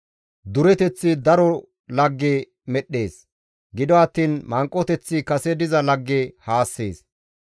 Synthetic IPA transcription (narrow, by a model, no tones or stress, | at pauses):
d̪ʊɾɛt̪ɛt͡sːɪd̪ɐɾɔ | lɐɡːe | mɛɗːe̞ːs | ɡɪd̪ɔɐt̪ːiːnmɐŋkʼːɔt̪ɛt͡sːɪkɐsɛd̪ɪzɐlɐɡːehaːsːḛːs